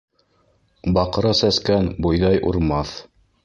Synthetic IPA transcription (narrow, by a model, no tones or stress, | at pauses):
bɑqɤ̆ɾɤsæskænbujðɑjʔuɾmɑθ